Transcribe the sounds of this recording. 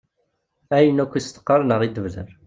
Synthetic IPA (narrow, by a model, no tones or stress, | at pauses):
æjənækʷːist̪ə̥qːɑɾnəʁid̪əvlə̰n